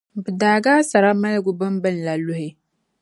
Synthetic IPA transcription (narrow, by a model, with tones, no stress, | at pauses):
bɨ˨daː˨ɡaː˦sa˨ɾa˦ma˦lɡʊ˨bɨ˦mbɨ˦n̩˨la˨lʊ˦hɪ˦